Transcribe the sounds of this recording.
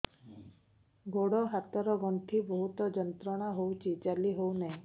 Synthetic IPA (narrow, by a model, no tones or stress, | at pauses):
ɡoɽɔɦat̪ɔɾɔɡɔnt̪ʰibɔɦut̪ɔd͡ʒɔnt̪ɾɔɽ̃aɦowt͡ʃʰit͡ʃaliɦownaɦĩ